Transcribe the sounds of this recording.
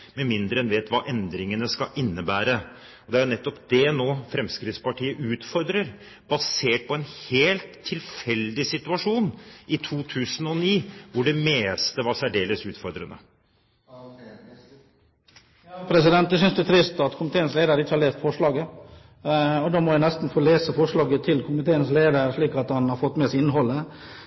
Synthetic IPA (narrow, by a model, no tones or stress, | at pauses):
mɛmɪnd̪ɾəɛnʋeːt̪ʋɑːʔɛnd̪ɾɪŋənəskɑʔɪnːəbæːɾə | ɔd̪ɛæɾjʊnɛt̪ːɔpd̪ɛnoːfɾɛmskɾɪt̪spɑʈʰiːəʔʉːt̪fɔɾd̪ɾəɾ | bɑseːʈ̚pʰɔɛnheːlt̪ʰːɪlfɛld̪ɪsɪt̪ʉɑʂuːnɪt̪ʰuːt̪ʰʉːsənɔniːʋʊɖɛmeːst̪əʋɑɾsæɖeːləsʉːt̪fɔɾd̪ɾə̰nə̰ | pʰɾɛsɪd̪ɛnt̪̚d̪ɛs̬ʏnsd̪ʉt̪ʰɾɪst̪ɑt̪kʰʊmɪt̪eːənsleːd̪əɾəɪːəhɑlɭeːst̪fɔʂɭɑːɡə | ɔd̪oːmɔænɛst̪n̩foːleːsəfɔʂɭɑːɡət̪ʰɪlkʰʊmɪt̪ʰeːənsleːd̪əɾʂɭiːkɑt̪hɑnhɑɾfɔt̪ːmɛsɪnːɦɔlːə